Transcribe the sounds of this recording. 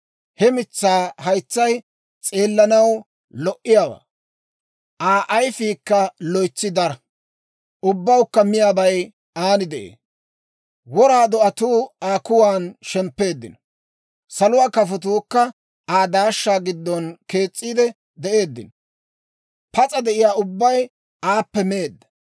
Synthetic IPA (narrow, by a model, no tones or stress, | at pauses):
hɛmɪt͡sːaːhɐjt͡sːɐj | t͡sʼeːlːɐnɐw | lɔʔɪjaːwa̰ː | ʔaːʔɐjfiːkːɐlɔjt͡sːɪd̪ɐɾɐ | ʊbːɐwkːɐmɪjaːbɐj | aːnɪd̪ɛʔḛː | wɔɾaːd̪ɔɐt̪uːaːkʊwaːnʃɛmpːe̞ːd̪ːɪ̰nɔ | sɐlʊwaːkɐfɔt̪uːkːɐ | aːd̪aːʃːaːɡɪd̪ːɔnke̞ːt͡sʼːiːd̪ɛ | d̪ɛʔe̞ːd̪ːɪ̰nɔ | pɐt͡sʼɐd̪ɛʔɪjaːʊbːɐj | aːpːɛmeːd̪ːɐ̥